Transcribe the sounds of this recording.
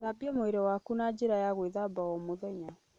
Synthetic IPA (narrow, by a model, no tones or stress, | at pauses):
ðabiɔmoeɾɛwakunad͡ʑeɾajaɣweðabaɔmoðɛɲa